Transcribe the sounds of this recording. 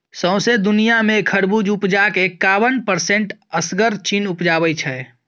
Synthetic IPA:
sə̃ʊ̃sed̪ʊnijamẽkʰəɽbud͡ʒupd͡ʒakekabənpəɾsẽɳʈəsɡəɾt͡ʃinupd͡ʒaːbəjt͡ʃʰɛ

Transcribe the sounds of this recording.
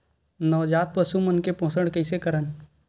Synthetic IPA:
nɔːd͡ʒaːt̪̚pəʃumɐnkepõɦsəɽ̃kɛɪsekɐɾən

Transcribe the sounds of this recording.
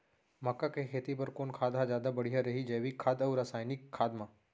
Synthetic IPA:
mɐkːakekʰeːt̪ipɐɾkoːnkʰaːd̪ad͡ʒjaːd̪abɐɽ̤iɦaɾɐɦid͡ʒɐːʋikʰːaːd̪ɐwɾaːsaːjnikʰːaːd̪mã

